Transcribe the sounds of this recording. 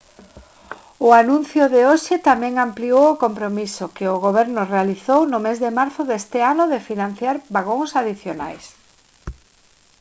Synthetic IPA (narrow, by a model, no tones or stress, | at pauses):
ʊanũn̟θjʊðɪoʃɪt̪amɛ̃ŋampliowʊkompɾomisʊkɪʊɣoβ̞ɛɾnʊrealiθownʊmezðɪmaɾθʊðest̪ɪanʊðɪfinãnθjaɾbaɣoŋsaðiθjona̰js